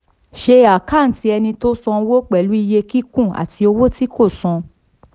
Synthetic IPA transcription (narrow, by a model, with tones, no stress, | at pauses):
ʃe˧a˨ka˦˨n̩˦ti˧˦ɛ˧nĩ˧to˦sɔ̃˧wo˦k͡pɛ˨lu˨˦i˧je˧ki˦kũ˦˨a̰˨ti˧o˧wo˦ti˦ko˦˨sɔ̃˧